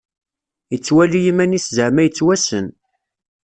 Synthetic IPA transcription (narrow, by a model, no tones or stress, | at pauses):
jət͡sːwælijimæniszəʕmæjət͡sːwæsən